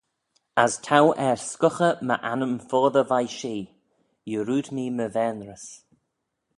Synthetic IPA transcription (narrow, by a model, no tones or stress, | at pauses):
əstʰawʔɛɹskʊxəmə̰ʔanəmfoːðəvajʃiː | jəɾuːdniːməvɛːnɾəs